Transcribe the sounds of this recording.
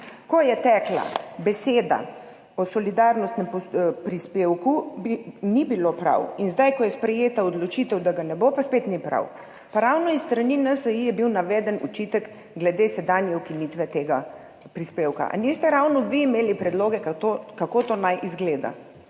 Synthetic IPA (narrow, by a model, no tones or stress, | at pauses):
kɔjɛt̪ɛkla̰bɛseːd̪a̰ | ɔsɔlid̪aɾnɔst̪nɛmpɔpɾispeːwkubinibilopɾa̰winzd̪ajkɔjɛspɾɛjeːt̪aɔd̪lɔt͡ʃit̪əwd̪aɡanɛbopaspeːt̪nipɾa̰w | paɾawnɔisːt̪ɾaninəsəjijɛbiwnaʋɛːd̪ənṵt͡ʃit̪ək | ɡlɛd̪esɛd̪anjɛukiniːt̪ʋɛt̪eːɡa | pɾispewka̰ʔa̰nist̪ɛɾawnɔʋiːmeːlipɾɛd̪loːɡɛkat̪okakot̪onajʔizɡleːd̪a̰